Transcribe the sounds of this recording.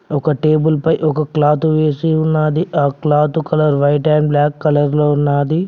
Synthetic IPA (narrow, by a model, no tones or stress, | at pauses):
ɔkɐʈe̞ːbulpɐjʔɔkɐklaːt̪uʋeːsiunːaːd̪iʔaːklaːt̪ukɐlɐɾʋɐjʈɐjmblaːkːɐlɐɾloːunːaːd̪i